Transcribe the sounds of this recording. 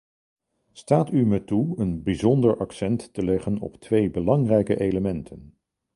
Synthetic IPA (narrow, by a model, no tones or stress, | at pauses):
staːtymɛtuənbizɔndəɹʔɑksɛntːəlɛχənɔ̰ptʋejbəlɑŋrɛjkə̰ʔejləmɛntʰən